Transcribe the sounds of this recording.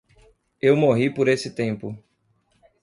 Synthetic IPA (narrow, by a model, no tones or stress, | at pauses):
ewmoɦipoɾesɪt̪ẽmpʊ